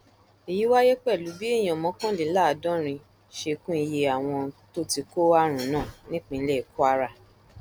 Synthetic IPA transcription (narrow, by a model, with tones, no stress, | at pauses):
e˨ji˨˦wa˦je˦k͡pɛ˦˨lu˨˦bi˦e˦˨j̃ɔ̃˨mɔ̃˨˧˦kã˦li˨˦la˦˨dɔ̃˦ɾ̃ĩ˧ | ʃe˧kũ˦i˧je˧a˨w̃ɔ̃˧to˦ti˧ko˦a˦ɾ̃ũ˨˦nãː˦˨nĩ˦k͡pĩ˧˦lɛ˦i˨ku˦a˦ɾa˦˨